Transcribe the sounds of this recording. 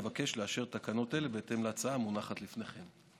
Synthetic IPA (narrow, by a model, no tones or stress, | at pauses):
vake̞ʃleaʃe̞ʁt̪akano̞telebeːt̪e̞mleat͡saamunaχat̪lifne̞χe̞m